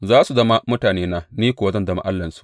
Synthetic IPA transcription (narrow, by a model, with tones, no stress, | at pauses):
zaː˦su˨zɐ˦ma˦mʊ˦taː˨neː˦na˦niː˦kʷoː˨˦zɐ˦ndɐ˨ma̰˨ʔa˦lːɐ˨nsu̥˨ʔ